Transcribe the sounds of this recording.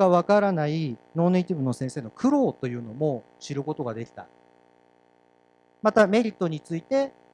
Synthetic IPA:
aβ̞akaɾanaino̞ːneit̪ʲibɯ̟no̞sẽɰ̃se̞ːno̞kʰɯ̟ɾo̞ːt̪o̞jɯ̟ːno̞mo̞ | ɕiɾɯ̟ko̞t̪o̞ɡad̪e̞kʲi̥t̪a̰ | mat̪ame̞ɾʲit̪ːo̞ɲ̟it͡sɨit̪e̞

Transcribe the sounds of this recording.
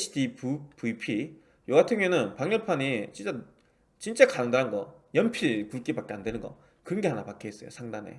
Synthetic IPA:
idippuipʰi | joatʰɯŋenɯnpaŋɲʌpʰanit͡ɕint͡ɕ͈a | t͡ɕint͡ɕ͈akaʌŋdaɾanɡʌ̰jʌmpʰiɭkuɭk͈ebak͈e̞ande̞nɯnɡʌ̰ | kɯɾʌnɡe̞ɦanapak͈ʰees͈ʌjo̰sʰaŋdane̞̰

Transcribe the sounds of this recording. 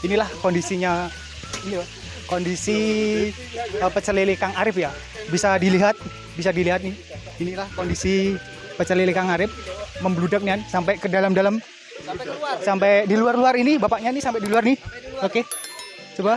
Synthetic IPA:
inilahkondisiɲa | inia | kondisi | əpət͡ʃəlilikaŋaɾɪfja | bisadiliɦat̪̚ | bisadiliɦat̪̚ni | inilahkondisi | pət͡ʃəlilikaŋaɾɪf̚məmbludak̚niansampajkədalamdalam | sampejdiluarluaɾinibapaʔɲanisampɛdiluarnioke | t͡ʃoba

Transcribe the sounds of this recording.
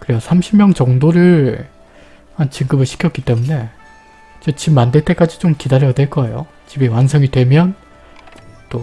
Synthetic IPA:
kɯɾiɡosʰamɕʰimjʌŋt͡ɕʌŋdoɾɯɭɭ | hant͡ɕiŋɡɯbɯɭɕʰi̥kʰjʌk͈it͈e̞mune̞ | id͡ʑet͡ɕimːandeɭt͈e̞k͈ad͡ʑit͡ɕomkidaɾjʌdweɭk͈ʌe̞̰jo̰ | t͡ɕibewansʰʌŋidwe̞mjʌn | t͈o

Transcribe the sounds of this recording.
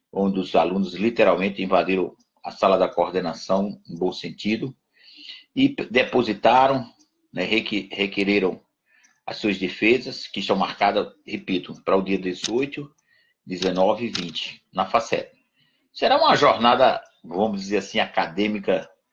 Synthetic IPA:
õd̪ɪʊza̰lũnʊzlit̪ɛɾawmẽnt̪ɪĩvad̪iɾɐ̃w̃ | ɐsalɐd̪ɐkooɾd̪enasɐ̃w̃ẽbõsẽnt̪id̪ʊ | ɪd̪epozit̪aɾɐ̃w̃ | nɛhekhekeɾiɾɐ̃w̃ | ɐ̰suɐzd̪efezɐskɪst̪ɐ̃w̃maɾkad̪ɐhepit̪ʊpɾɐʊd̪iɐd̪ezojt̪ʊ | d̪ɪzenɔvɪːvĩnt͡ʃɪ̥nɐfasɛ̰t̪ɐ̥ | sɛɾaũɐʒɔɾnad̪ɐ | vɐ̃mʊzd̪izeɾasĩakad̪ẽmikɐ

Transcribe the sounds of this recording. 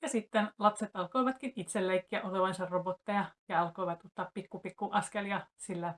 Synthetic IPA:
jɑsit̪ːenlɑpset̪ɑlkoiʋɑt̪kinit̪selleikːiæʔoleʋɑnsɑrrobot̪ːɑjɑjɑɑlkoiʋɑt̪ot̪ːɑːppikːupikːuʔɑskeljɑsilːæ

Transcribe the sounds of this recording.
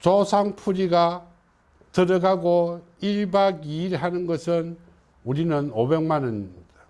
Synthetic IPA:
t͡ɕosʰaŋpʰuɾiɡa | tɯɾʌɡaɡo | iɭbaɡiːɾɦanɯnɡʌsʰɯn | uɾinɯnobeŋmanɯnda

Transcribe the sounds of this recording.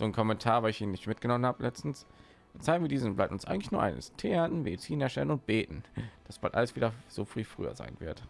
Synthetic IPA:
z̥oːnkʰɔmɛntʰaːɐvaːɪçʔiːnɪçtmɪt̚ɡ̥ənɔmənhaːbəlʔɛt͡stn̩s | ʔʊnt͡saɪɡŋ̩viɐdiːznʊblaɪptnʊnsʔaɪɡŋtlɪçnuːɐʔa̰ɪnə̰stʰeːatn̩medt͡siːnɛɐʃtɛ̰lənʊnt̚b̥eːtn̩d̥asb̥a̰ltʔa̰ləsv̥iːdɐz̥oːfʁ̥iːfʁ̥y̰ːɐ̰za̰ɪnvɪɐt

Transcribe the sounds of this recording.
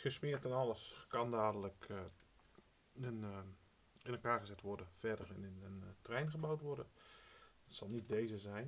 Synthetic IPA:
xəsmɪːɹtanɑləskɑndaːdələk | ən | ɪnɛlˠkaːɹɣəzɛtʋɔɹdənfɛdərənəntrɛjnɣəbawtʋɔrdən | tsɑlˠnit̚dejzəzɛjn

